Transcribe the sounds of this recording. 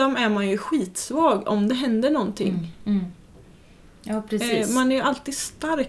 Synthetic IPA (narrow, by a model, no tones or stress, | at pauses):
ɔmæɾmanjɵɧiːt̪svɑːɡɔ̰md̪ɛɦɛnd̪ənɔnt̪ʰɪ̰ŋː | jɑːpʰɾɛiːmanæɾjʔalt̪iːd̪st̪aɾ